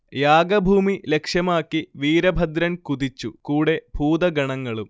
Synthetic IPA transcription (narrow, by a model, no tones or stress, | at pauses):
jaːɡɐbʱuːmile̞kʂjɐmaːkːiʋiːɾɐbʱɐd̪ɾɐnkud̪it͡ɕːukuːɽe̞bʱuːd̪ɐɡɐɳɐŋːɐɭum